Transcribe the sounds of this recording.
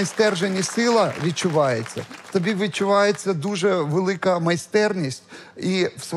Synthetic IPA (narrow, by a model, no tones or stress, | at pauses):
ɐjst̪ɛrʒenʲisɪlˠɐʋʲit͡ʃːʊʋɑjet͡sʲːɐ̰ft̪ɔbʲiʋʲɪt͡ʃːʊʋɑjet͡sʲːɐd̪uʐɛʋelˠɪkɐmɐjst̪ɛrnʲisʲtʲiws